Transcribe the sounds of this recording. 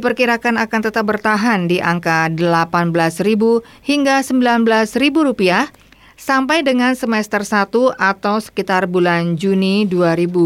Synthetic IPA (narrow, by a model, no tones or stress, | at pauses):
dipərkiɾakanakant̪ət̪ap̚bərt̪aɦandiʔaŋkadəlapanbəlasribu | hiŋɡasəmbilanbəlasribuɾupiah | sampajdəŋansəmɛst̪ərsat̪uʔat̪awsə̥kit̪arbuland͡ʒuniduaɾibu